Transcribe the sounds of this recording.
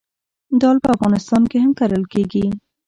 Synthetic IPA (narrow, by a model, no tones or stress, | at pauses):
d̪ɑlpəafɣɑnɪst̪ɑnkeɦamkaɾəlkeɡi